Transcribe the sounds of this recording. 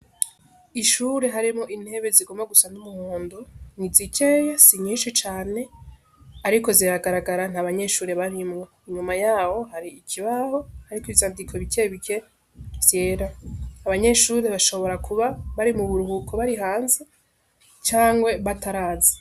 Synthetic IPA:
iʃuːɾe̞ɦaɾimŋo̞ʔin̥he̞βe̞ziɡo̞maɡusanumuhoːndonizicʰeːjesiɲiːnʃit͡ʃaːne̞ | aɾiko̞ziɾaɡaɾaɡaɾan̥haβaɲe̞ʃuːɾe̞βaɾimŋeiɲumajaːho̞ɦaɾiːkʰiβaho̞haɾikivjaːndikʰoβikeβike̞ | z̥jeːɾaːβaɲe̞ʃuɾe̞βaʃo̞βo̞ɾakʰuβaβaɾimuβuɾuɦukʰoβaɾiɦaːnze | t͡ʃaːŋɡwe̞βataɾaːzḁ

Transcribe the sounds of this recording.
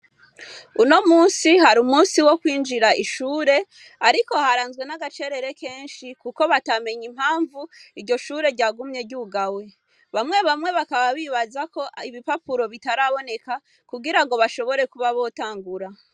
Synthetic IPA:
uno̞muːnsihaɾumuːnsiwo̞kwiːnd͡ʒiɾaʔiʃuːɾe̞ | aɾiko̞haɾaːnzɡwe̞naɡat͡ʃe̞ɾe̞ɾe̞ke̞ːnʃikuko̞βatame̞ɲim̥haːɱvuiɾɟo̞ʃuːɾe̞ɾɟaːɡumɲe̞ɟuɡawe̞ | βamŋe̞βamŋe̞βakaβaβiːβazako̞iβipapuɾo̞βitaɾaβo̞ne̞ka | kuɡiɾaŋɡo̞βaʃo̞βo̞ɾe̞kuβaβo̞ːtaːŋɡuɾa

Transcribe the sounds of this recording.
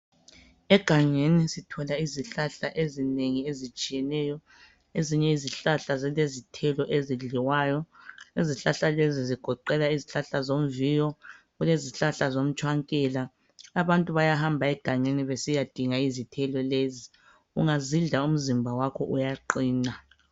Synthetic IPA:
ɛɡ̥ʱaŋenisitʰɔlaiziɬaɬaʔezineŋiezit͡ʃʼijɛnɛjɔ | eziɲɛiziɬaɬazɛlezitʰɛlɔʔeziɮiwajɔiziɬaɬaleziziɡ̥ʱɔǃɛlaiziɬaɬazom̩vijɔ | ɣuleziɬaɬazom̩t͡ʃʼʰwaŋkʼɛːlaː | βantʼuβajahambʱaɛɡ̥ʱaŋeniβesijad̥ʱiŋaizitʰɛlɔlezi | ṵŋaziɮaum̩zimbʱawakʰɔ̰ʔujaǃiːna

